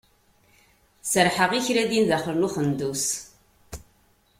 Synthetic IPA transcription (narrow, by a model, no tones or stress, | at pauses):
səɾħəʁiçɾæðinðæχəɾnuχənd̪us